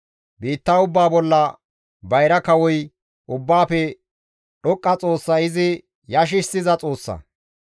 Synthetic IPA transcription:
biːt̪ːaʊbːaːbɔlːɐ | bɐjɾɐkɐwɔj | ʔʊbːaːfɛ | ɗɔkʼːɐt͡sʼo̞ːsːɐɪzɪ | jɐʃ̬ɪsɪzɐt͡sʼo̞ːsːɐ̰

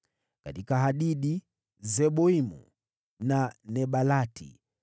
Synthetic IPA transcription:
ka̰tikaɦaɗiɗi | zɛɓɔimṵ | nanɛɓalatḭ

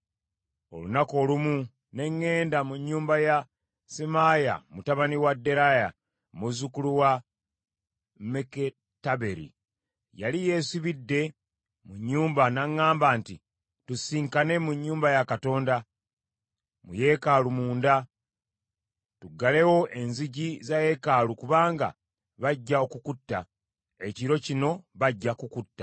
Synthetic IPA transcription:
o̞̰lunako̞ːlumu | ne̞ŋːe̞ːndamuɲːuːmbaja | semaja̰mutaβaniwadːe̞ɾaja̰ | muzukuluwa | meke | taβe̞ɾḭ | jalije̞ːsiβidːe̞ | muɲːuːmbanaŋːaːmbaːnti | tusiːŋkane̞muɲːuːmbajakato̞ːnda | muje̞kalumuːnda | tuɡːale̞wo̞ʔe̞nziɟizaje̞kalukuβaːŋɡa̰ | βaɟːaokukutːa | e̞ciɾo̞cino̞βaɟːakukutːḁ

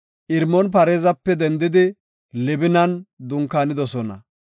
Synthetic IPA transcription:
ʔɪɾmɔnpɐɾeːzɐpːɛd̪ɛnd̪ɪd̪ɪ | lɪbɪnɐnd̪ʊŋkːaːnɪd̪ɔsɔnɐ̰

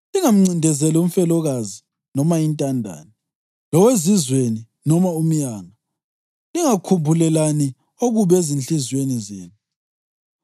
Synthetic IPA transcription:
liŋam̩ŋ͡ǀindʱɛzɛlum̩fɛlɔɣazi | nɔmajintʼandʱa̰ːni | lɔwezizweni | nɔmaum̩jaŋa | liŋakʰumbʱulɛlani | oɣuβezinɬizwenizeːnu

